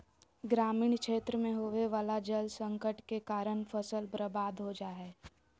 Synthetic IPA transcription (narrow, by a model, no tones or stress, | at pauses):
ɡɾaːmiːɳkʃeːt̪ɾəmẽɦoːʋeʋaːlad͡ʒəlsə̃ŋkəʈkekaːɾəɳfəsəlbɾəbaːd̪ʱɦod͡ʒaɦɛː